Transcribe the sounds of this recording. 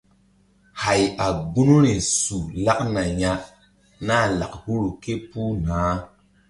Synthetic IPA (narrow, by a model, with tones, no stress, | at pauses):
ha˨ja˨ɡ͡bu˦nu˦ɾi˨su˨la˦ʔna˨ɲa˦ | na˦˨la̰˨ʔhu˦ɾu˨ke˦pu˦naː˨˦